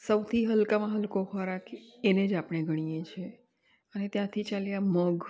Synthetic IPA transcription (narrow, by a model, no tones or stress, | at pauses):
səwt̪ʰiɦəlkamãɦəlkoxɔɾakened͡ʒapɳ̃eɡʱəɽ̃ijet͡ʃʰe | ənet̪jãt̪ʰit͡ʃaljaməɡ